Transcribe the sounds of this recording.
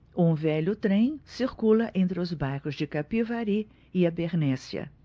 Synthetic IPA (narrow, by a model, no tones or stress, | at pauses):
ũvɛʎʊt̪ɾẽj̃siɾkulɐʔẽnt̪ɾɪʊzbaɾkʊzd͡ʒɪkapivaɾi | ɪabeɾnɛsɐ̰